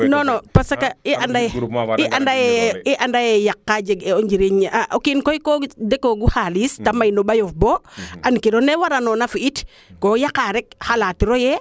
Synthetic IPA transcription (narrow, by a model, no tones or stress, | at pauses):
nonopasakaiʔandajiʔandajeiʔandajejakːad͡ʒeɡeond͡ʒiɾiɲaʔokinkojkodekoɡuhalistamajnoɓajofboankiɾonewaɾanonafiit | kojakaɾek̚halatiɾoje